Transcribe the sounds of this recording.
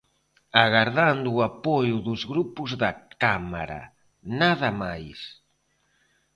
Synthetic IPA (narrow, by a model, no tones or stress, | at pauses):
aɣaɾðand̪ʊapojʊðʊzɣɾupʊzðakama̰ɾa̰ | naðɐmajs